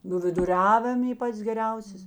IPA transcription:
nuː ʋʲɪdʊˈrʲæːʋʲɪm ˈiː ˈpɐts ɡʲɛˈrʲɛʊsʲeːs

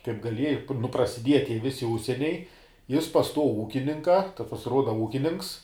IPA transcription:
kɐɪp ɡɐˈlʲiɛjɪ nʊ prɐsʲɪˈdʲiɛjɛ ˈtʲiɛ ˈʋʲɪsʲɪ ˈʊʃʲsʲiɛnʲɛɪ ˈjɪs pɐs ˈtuɔ ˈuːkʲɪnʲɪŋkɐ ˈtɐs pɐsʲɪˈruɔdɐ ˈuːkʲɪnʲɪnʲɪŋks

